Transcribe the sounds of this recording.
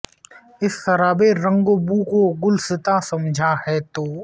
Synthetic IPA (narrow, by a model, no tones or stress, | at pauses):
ɪsxɐɾaːbeɾə̃ŋɡobuːkoɡʊlsɪt̪asɐmd͡ʒʱahɛːt̪oː